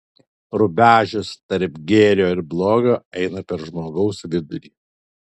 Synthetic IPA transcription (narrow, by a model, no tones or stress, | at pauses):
ɾʊbʲæːʒʲʊst̪ɐɾpɡʲeːɾʲjoːɪɾblˠoːɡʲoːʔɛɪnɐpʲɛɾʒmoːɡɐʊsʋʲɪd̪ʊɾʲiː